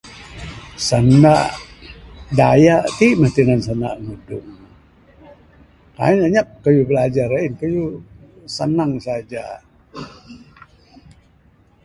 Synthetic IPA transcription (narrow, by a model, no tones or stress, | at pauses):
sənaʔ | dajaʔt̪iʔməht̪inansəna̰ʔnudʊ̰ŋ | ka̰ɲaʔɲap̚kəjubəlad͡ʒaɾainkəju | sənaŋsad͡ʒa